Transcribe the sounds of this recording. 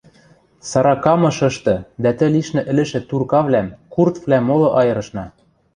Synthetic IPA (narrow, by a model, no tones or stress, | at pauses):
sɑɾɑkɑmɤ̆ʃɤ̆ʃt̪ɤ̆d̪æt̪ɘ̆liʃnɘ̆ʔɘ̆lɘ̆ʃɘ̆t̪urkɑβlæmkurt̪vlæmːolɤ̆ʔɑjɤ̆ɾɤ̆ʃnɑ